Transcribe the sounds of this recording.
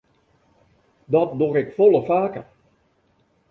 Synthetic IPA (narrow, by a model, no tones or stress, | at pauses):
dɔt̚durɪkfolˠəfaːkə̰r